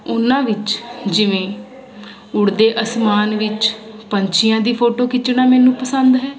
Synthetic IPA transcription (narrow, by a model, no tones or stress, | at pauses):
ʊnãːʋɪt͡ʃd͡ʒɪʋẽː | ʊɽd̪eːʔəsmaːnʋɪt͡ʃpəɲt͡ʃʰɪjãːd̪iːpʰoːʈoːkɪt͡ʃnãːmɛːnũːpəsənd̪ɦɛː